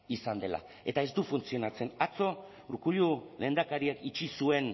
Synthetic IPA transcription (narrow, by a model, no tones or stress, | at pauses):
isand̪e̞la̰ | e̞t̪aezd̪ufunt͡sio̞nat͡se̞nat͡so̞ | uɾkuʎule̞ːnd̪akaɾiakit͡ʃisue̞n